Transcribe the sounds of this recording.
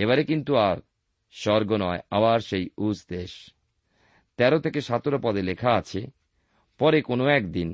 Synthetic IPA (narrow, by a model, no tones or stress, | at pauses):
eβaɾekint̪uaɾ | ʃɔɾɡonɔea̰baɾʃejud͡ʑd̪eʃ | t̪ɛɾot̪ʰekeʃat̪oɾopɔd̪elekʰaat͡ɕʰe | pɔɾekonoɛkd̪in